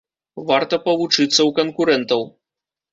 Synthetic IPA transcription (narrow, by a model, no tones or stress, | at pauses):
vart̪ɐpɐvut͡ʂɨt̪sːɐwkɐnkuɾɛnt̪ɐw